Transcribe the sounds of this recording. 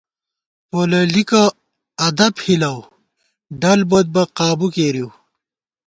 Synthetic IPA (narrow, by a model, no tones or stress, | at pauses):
poːlɐlika | ɐd̪ɐbhilɐw | ɖɐlbod̪̚bɐqaːbukeːɾiw